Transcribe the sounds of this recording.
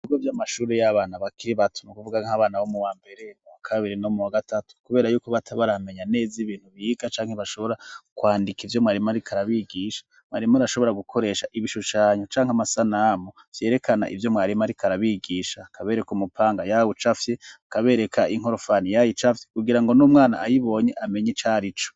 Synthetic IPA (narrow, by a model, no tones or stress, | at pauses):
iɡovjamaʃuːɾejaβaːnaβakiɾiβatʰu̥nukuvuɡaŋaβaːnawomuwaːmbe̞ɾe̞muwakʰaβiɾino̞muwaɡatatu̥kuβe̞ːɾajuːko̞βatʰaβaɾame̞ɲane̞ːziβiːn̥huβiɡat͡ʃaːŋ̥eβaʃo̞βo̞ɾakwaːndikivjo̞mŋaːɾimaɾikʰaɾaβiɡiːʃḁ | mŋaːɾimaɾaʃo̞βo̞ɾaɡukʰo̞ɾe̞ːʃaʔiβiʃuʃaːɲot͡ʃaːŋhamasanamo | vje̞ːɾe̞kʰana̰ʔivjo̞mŋaːɾimaɾikʰaɾaβiɡiːʃakʰaβe̞ːɾe̞kumupʰaːŋɡajawut͡ʃafjeakaβe̞ːɾe̞kʰaiŋ̥o̞ɾofanijajit͡ʃafjekuɡiɾaŋɡo̞numŋaːna̰ːjiβo̞ɲe̞ʔame̞ɲit͡ʃaːɾit͡ʃo